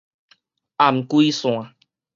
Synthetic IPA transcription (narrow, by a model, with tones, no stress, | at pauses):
ʔa˨˩mku˧i˧sũ˨a˨˦